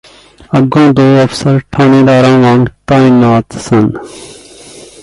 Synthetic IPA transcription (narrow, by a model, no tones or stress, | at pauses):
ɐɡõːd̪oːɐfsəɾʈʰaːnĩːd̪aːɾãːʋãːŋt̪aːĩnaːt̪sɐn